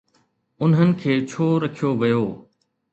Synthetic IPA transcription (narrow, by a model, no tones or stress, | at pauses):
ʊnɦənɪ̆kʰeːt͡ɕʰoːɾɐkʰijoʋɐjoː